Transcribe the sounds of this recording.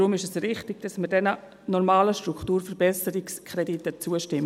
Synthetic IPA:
ɾʊmɪʃɛsrɪχtɪɡ̥̚d̥ɑsməɾdɛnə | nɔɾmaːləʃtɾukʰtuːrfəɾbɛsəɾɪkskʰɾɛditət͡suəʃtɪm

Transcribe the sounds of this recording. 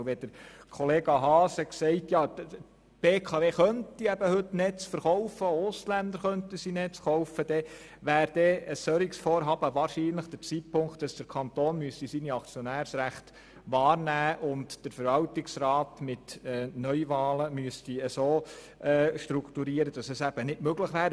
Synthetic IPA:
ʋɛd̥əɾkʰɔleːɡɑɦɑːsəksɛɪtjɑː | b̥eːkʰɑːveːχœntiæbəhɵtnɛt͡sfəɾχɔwfəoʊslænd̪əɾχœnt̪əsinɛt͡sχɔʊfəd̥ɛ | ʋæːɾd̥̪ɛəsœɾiksfoːɾɦɑːb̥əʋɑːɾʃiːnləχd̥əɾt͡siːt̚pʰʊŋkt̚d̥ɑsd̥̪əɾkʰɑnt̪oːnmyəst̪isiniɑkt͡sjɔnæːɾsɾæχt̪ | ʋɑːɾnæːʔʊntd̥əɾfəɾʋɑltɪksrɑːtmɪtɛnœʏʋɑːləmyəst̪iəsoː | ɛːʃtɾukt̪uɾiəɾəd̥ɑsɛsæb̥ənɪdmøɡləχʋæːɾ

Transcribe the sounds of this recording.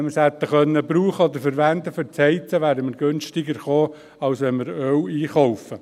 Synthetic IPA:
məshɛt̪ːəχœnːəbɾuːχəɔd̪əɾfəɾʋænd̪əfʏɾt͡shɛɪt͡səʋæːɾəməɾɡønʃtɪɡəɾχoː | ɑwsʋɛnməɾœwiːχɔʊfə

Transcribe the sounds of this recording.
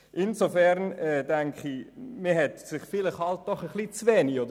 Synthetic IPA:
ʔɪnzofɛɾnɛːdæŋkχimiɦɛtsɪχfɪlɪχhɑlt̚d̥ɔχəχlit͡svɛːniodə

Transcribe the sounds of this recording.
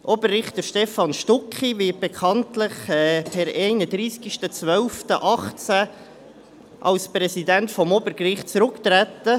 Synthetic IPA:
ʔɔbərːɪχt̪əʃtɛfɑnʃtʊkχivɪt̚b̥ekʰɑntlɪχɛpʰɛɾɛɪnəd̪ɾiːskiʃtət͡svœlftəʔɑχt͡sæ | ʔɑlsprɛsidæntfɔmɔbəɾkrɪχtt͡sɾʊkt̪ɾæt̪ə

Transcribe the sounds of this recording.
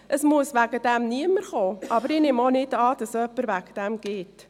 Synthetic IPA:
ʔəsmuəsvæɡəd̥̪ɛæmniəməɾχoːʔɑbəɾɪnɪmonɪdɑːd̥ɑsœpːəɾvæɡ̥ə̥d̥æmɡ̥ɪːt

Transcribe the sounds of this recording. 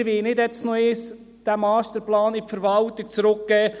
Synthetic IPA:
ʋɪlnɪdjɛt͡snoɪs | d̥æmɑːstəɾplɑːnɪfəɾʋɑlt̪ɪk̚t͡sɾʊk̚ɡ̥ɛː

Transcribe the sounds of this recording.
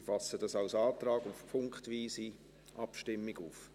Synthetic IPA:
fɑsədɑsaʊsɑːtrɑːɡufpʰʊŋkχtviːsi | ʔɑpʃtɪmːiɡuːf

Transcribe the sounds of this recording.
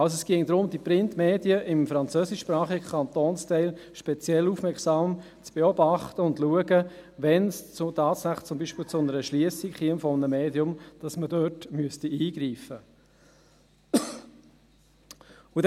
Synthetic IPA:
ɑlsoɛsɡ̥ɪŋd̥̪ɾʊmdipɾɪntmeːdiəʔɪmfɾɑnt͡søːsɪʃpɾɑːχiɡəkʰɑnt̪oːnstɛɪlʃpɛt͡sjɛluːfmɛksɑːm | t͡sb̥eɔbɑχtəʊndluəɡəʋɛnst͡sʊtɑːtsæχt͡sʊmbiːʃpɪːlt͡sʊnəɾəʃliəsikχiənfɔmnəmeːdiʊmd̥ɑsmədœtmyəstiiːɡɾiːfə | ud

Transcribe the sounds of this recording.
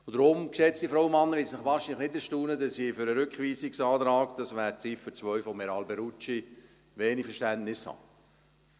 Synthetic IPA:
ʊd̥ɾʊmkseːtt͡sd̥ifɾaʊwəmɑnːəʋɪtsnɪχʋɑːʃinlɪχnɪtɛstuːnədɑsifʏɾəɾʏkχʋiːsɪksɑːtɾɑːɡd̥ɑsʋæːɾt͡sifət͡sʋœʏfɔmːɛɾɑlbɛɾut͡ʃi | ʋeːnifəɾʃtæntnɪshɑ̰ː

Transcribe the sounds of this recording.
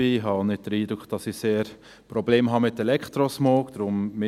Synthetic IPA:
ihɑːnɪt̚d̥əɾiːd̪ɾʊkχd̥ɑsiseːɾ | pɾɔbleːmɦɑmɪtːɛlɛktɾosmoːkd̪̥ɾʊmmɪ

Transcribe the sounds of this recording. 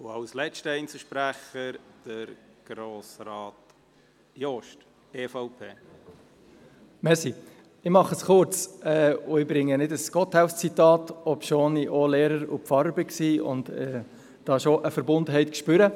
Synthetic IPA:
ʊɑwslɛʃtəɛɪnt͡səʃpɾæχəd̥əɾɡ̥ɾoːsɾɑːt | joʃt | eːfaʊpʰeː | mɛɾsi | ɪmɑχəsχʊɾt͡sɛːʊɪbɾɪŋːənɪdəsɡ̥ɔt̪hæʊfst͡sit̪ɑːtɔpʃoːniʔoleːɾəɾṵpfɑɾbəksiʊ̰nd̪ɛː | d̥ɑːʃoʔəfəɾbʊndəɦɛɪt̪kʃpʏɾə

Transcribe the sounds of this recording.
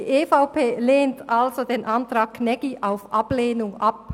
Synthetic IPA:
iʔeːfaʊpeːleːntalzodeːnʔantʁ̥ɑːɡ̚kʰnɛɡ̥iʔaʊfʔab̥leːnʊŋʔap̚

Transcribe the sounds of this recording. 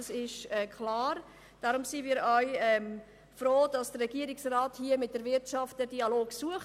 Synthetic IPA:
sɪʃɛkʰlɑːɾ | d̥aːɾʊmsimiːɾœʏɛm | fɾoːd̥ɑsd̥ərɛɡ̥iəɾɪksraːthiəmɪt̚d̥əɾvɪɾtʃɑftədiɑloːɡsuəχ

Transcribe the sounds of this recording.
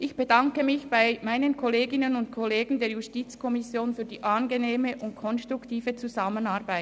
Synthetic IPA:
ʔɪçb̥ədaŋkəmɪçb̥aɪmaɪnənkʰɔleːɡɪnənʊntkʰɔleːɡn̩deːɐjustiːt͡skʰɔmɪsjoːnfyːdiːʔanɡeneːməʔʊntkʰɔnstʁ̥uktiːvət͡suzamənaːɐʁbaɪ

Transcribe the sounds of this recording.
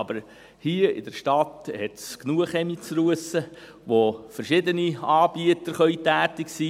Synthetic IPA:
ɑbəɾ | hiəɪ̰dɛɾʃtɑthɛt̪sknuəχɛmit͡sɾuəsə | ʋofəɾʃɪd̪əniɑːɾbiət̪əɾχœʏtæːt̪ɪksiː

